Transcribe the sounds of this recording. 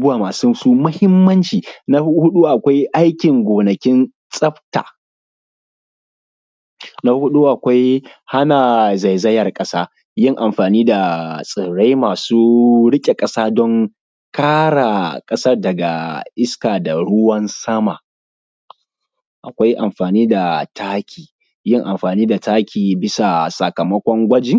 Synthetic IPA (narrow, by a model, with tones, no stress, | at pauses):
bʊ˦aː˨maː˨su˦suː˦mɐ˦hɪ˦mːɐ˦nt͡ʃiː˨na˦hʊ˦ɗu˦ʔa˨kʷa˦jʔa˦jkʲɪ˨ŋɡʷoː˨nɐ˨kʲɪ˦n | sʼɐ˦ɸta̰ː˨ | na˦hʊ˦ɗu˦ʔa˨kʷa˦j | ha˦na˨za˨jzɐ˦jɐ˨rkʼɐ˦saː˦ | jɪ˦ŋʔa˨mɸaː˨niː˦da˨sʼɪ˨ɽa˦jmaː˨suː˦ɽɪ˦kʲʼe˨kʼɐ˦saː˦dɔ˦ŋ | kaː˦ɽa˨kʼɐ˦sɐ˦rdɐ˨ɡa˨ʔɪ˦skaː˨da˨ɽʊ˦wɐ˦nsɐ˦ma˨ | ʔa˨kʷa˦jʔa˨mɸaː˨niː˦da˨tʰaː˦kʲʰiː˨ | jɪ˦˨ŋʔa˨mɸaː˨niː˦da˨taː˦kʲiː˨bɪ˦sa˨sɐ˨kɐ˨mɐ˦kʷɔ˦ŋɡʷɐ˦d͡ʒi˨